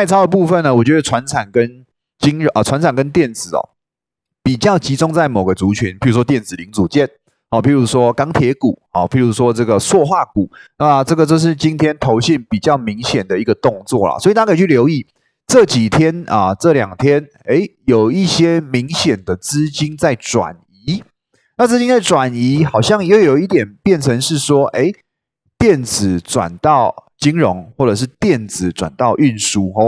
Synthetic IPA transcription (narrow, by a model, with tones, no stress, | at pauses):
tʰa˥˩ɪt͡sʰɑ˥d̪ə˧pu˥˧fə˥˨nːə˩wɔ˨˩t͡ɕɥɛ˧˥d̪ə˨˩t͡sʰwa˧˥nt͡sʰa˨˩nkə˦n | t͡ɕi˥ŋʰ˨˩wa˧˦nt͡sʰa˨˩nkə˦nt̪jɛ˥˩nt͡sɹ̩˨˩ɐ̰˨˩ | pi˨˩t͡ɕjɑ˥˩ʊt͡ɕi˧˥t͡sʊ˥ŋt͡sa˥˩ɪmo˨˩ʊɡə˦t͡su˧˥t͡ɕʰy˧˦npʰi˨˩ɻu˧˥ʂwɔ˥t̪jɛ˥˩nt͡sɹ̩˨˩li˧˥ŋt͡su˨˩t͡ɕjɛ˥˨n | hɔ˨˩pʰi˧˥ɻu˧˥ʂwɔ˦kɑ˥ŋt̪ʰjɛ˧˥ku˨˩˦ɔ˥˩pʰi˧˥˩ɻu˧˥ʂwɔ˦t͡sɤ˥˩ɡə˩swɔ˥˧xwa˥˩ku˨˩˦na˥˩˨t͡sɤ˥˩ɡə˩t͡ɕjo˥˧ʂ̬ɻ̩˥˩t͡ɕi˥nt̪ʰjɛ˥nt̪ʰo˧˥ʊɕi˥˩npi˨˩t͡ɕjɑ˥˩ʊmi˧˥ŋɕjɛ˨˩nd̪ə˩i˧˦˥ɡə˧t̪ʊ˥˧ŋt͡swɔ̰˥˩lɐ̰˩swɔ˧˥i˨˩a˥kʰə˥˨˩t͡ɕy˥˩ljo˧˥ʊi˥˩ | ʈ͡ʂɤ˥˩t͡ɕi˨˩t̪ʰjɛ˥nə˨ʈ͡ʂɤ˥˩ljɑ˨˩ŋt̪ʰjɛ˦˥n | e˥˦ɪjo˨˩ʊi˥˩ɕjɛ˥mi˧˥ŋɕjɛ˨˩nd̪ə˨t͡sɹ̩˥t͡ɕi˥nt͡sa˥˩ɪt͡swa̰˨˩n | i˧˥˦ | na˥˩t͡sɹ̩˥t͡ɕi˥ŋt͡sa˥˩ɪʈ͡ʂwa˨˩ni˧˥xɑ˨˩ʊɕjɑ˥˨˩ŋjo˧˥jjo˨˩˦i˥˩t̪jɛ˨˩npjɛ˥˩nt͡sʰə˧˦ŋʂɻ̩˥˩ʂwɔ˥ʔe˥ɪ | t̪jɛ˥˩nd͡zɹ̩˨˩ʈ͡ʂwa̰˨˩nt̪ɑ˥˩ʊt͡ɕi˥ŋɻo˧˦ŋxwɔ˥˩ʈ͡ʂɤ˨˩ʂ̬ɻ̩˥˧˨t̪jɛ˥˨˩nd͡zɹ̩˨˩t͡swa̰˨˩nt̪ɑ˥˧ʊʔy˥˨˩nʂu˥ɦɔ˧